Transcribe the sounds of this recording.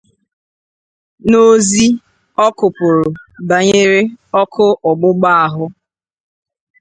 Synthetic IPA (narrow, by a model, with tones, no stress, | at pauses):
no˦zi˦ | ɔ˦kʊ˨pʊ˨ɾʊ˨ba˨ɲe˦ɾe˦ɔ˦kʰʊ˦ʔɔ˨ɡ͡bʊ˦ɡ͡ba˦a˨ɦʊ˦